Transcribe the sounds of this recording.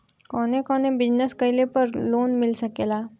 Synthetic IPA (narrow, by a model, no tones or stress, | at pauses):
kɔnekɔnebid͡ʑnəskəjlepəɾloːnmilsəkela